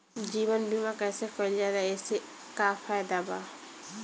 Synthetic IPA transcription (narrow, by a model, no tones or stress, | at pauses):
d͡ʒiːʋənbʱimãkɛːsekəld͡ʒad̪aeːse | kaːfʰaːjd̪abaː